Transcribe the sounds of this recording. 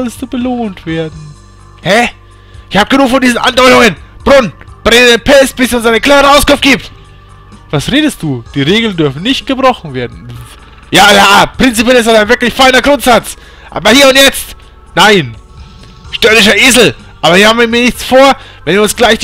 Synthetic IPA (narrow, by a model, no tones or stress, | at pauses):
ɔlstd̥uːbəloːntv̥eːɐdn̩ | hɛ | ʔɪçhaːbəɡənuːkfɔndiːzn̩ʔa̰ndɔʏtʊŋənb̥ʁʊnb̥ʁɪŋdenpʰɛstb̥ɪsiʊnsaɪnəkʰl̥aːəʁəʔaʊskʊɱftɡ̥iːp̚t | v̥asʁeːdəst̚d̥uːd̥iːʁeːɡl̩ndʏɐfn̩nɪçt̚ɡ̥əbʁɔχn̩veːɐdn̩ | jaːjaːpʁ̥ɪnt͡sipjɛlɪstanaɪnvɪɐklɪçfaɪnɐɡʁʊntz̥at͡s | ʔa̰ːbɐhiːɐʊntjɛt͡st | naɪn | ʃtœːɐnɪʃɐʔeːzl̩ | ʔaːbɐhiːɐhaːbm̩iːmiːɐnɪçt͡sfoːɐ | vɛnviːɐʊnsɡ̥laɪçd̥